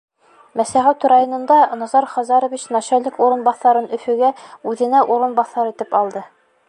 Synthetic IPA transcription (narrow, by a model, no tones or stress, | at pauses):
mæsæʁæwt̪ɾajonɤ̆nd̪ɑnɑzɑɾχɑzɑɾŏvit͡ɕnɑɕælɘkuɾɤ̆nbɑθɑɾɤnɵ̆fɵ̆ɡæʉðɘ̆næʔuɾɤ̆nbɑθːɑɾit̪ɘpɑlˠd̪ɤ